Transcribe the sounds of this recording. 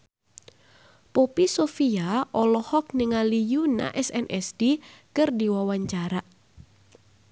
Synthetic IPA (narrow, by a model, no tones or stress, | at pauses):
popisofiaʔɔlɔhɔk̚niŋalijuna̰ʔɛsɛnʔɛsdikɨrdiwawaɲt͡ʃaɾaʔ